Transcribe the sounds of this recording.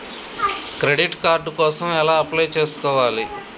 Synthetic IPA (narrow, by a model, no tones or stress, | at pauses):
kɾe̞ɖiʈkaːɾɖkɔːsɐmɛlaːɐplɐjt͡ʃe̞ːsu̥kɔːʋaːli